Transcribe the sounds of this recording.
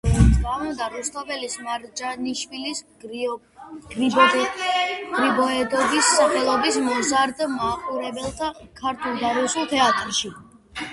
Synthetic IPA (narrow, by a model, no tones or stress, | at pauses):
ɛt̪sʼqʼavund̪aɾust̪ʰavɛlismaɾd͡ʒaniʃwilis | ɡ | ɡ̥ɾibɔɛd̪ɔbisːaχɛlˠɔbismɔzaɾd̪maqʼuɾɛbɛlˠt̪ʰakʰaɾt̪ʰulˠd̪aɾusulˠt̪ʰɛat̪ʼɾʃi